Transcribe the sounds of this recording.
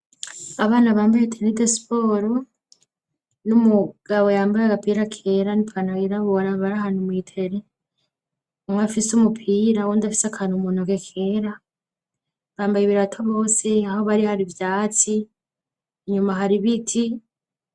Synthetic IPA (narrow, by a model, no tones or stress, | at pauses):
aβaːnaβaːmbajetʰenidesi̥po̞ːɾo | numuɡ̥aβo̞jaːmbajaɡapiːɾakʰe̞ɾanipʰanawiɾaβoɾaβaɾaɦanumwiːtʰe̞ɾe | mwafisumupʰiːɾawondafi̥sakʰanumunoɡe̞kʰeːɾa | βaːmbajiβiɾatʰoβo̞ːse̞aho̞βaɾihaɾiβvjaːt͡siː | ɲumaɦaɾiβitʰi